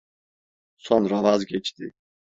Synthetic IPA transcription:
sonɾavazɡɛt͡ʃt̪ʰɪ

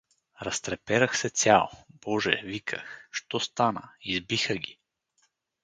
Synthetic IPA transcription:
ɾɐst̪ɾɛpɛɾəxsɛt͡s̪ʲjalˠob̥ɔʒɛ̰vikʰə̰xʃt̪ɔst̪anə̰izbixəɡʲi

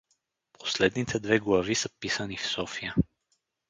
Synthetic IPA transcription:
pʰo̥slɛd̪nit̪ʰɛd̪vɛɡlˠɐvisəpisənifsɔfijə

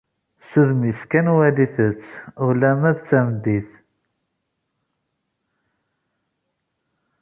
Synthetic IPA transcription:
suðmiskænwæliθət͡sːʊlæmæðt͡sːæmd̪iθ

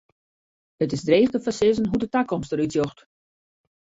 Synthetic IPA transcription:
ətɪzdreːχdəfasɪzənɦudətakɔmstəɾytjɔxt

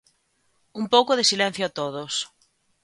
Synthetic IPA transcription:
umpowkoð̞esilɛ̃n̟θjoat̪oð̞os

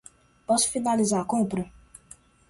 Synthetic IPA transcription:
pɔsʊ̥finalizaɾɐkõpɾɐ

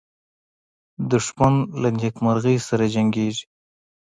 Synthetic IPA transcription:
d̪ʊʂmanlanikmaɾɣəjsaɾad͡ʒaŋɡeʐi̥

